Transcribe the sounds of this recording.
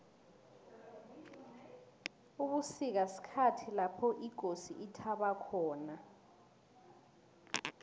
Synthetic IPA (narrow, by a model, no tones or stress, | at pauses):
uɓusik̬asi̥kʰatʰilapʰɔʔiɡ̥ʱosiʔitʰaɓakʰɔːna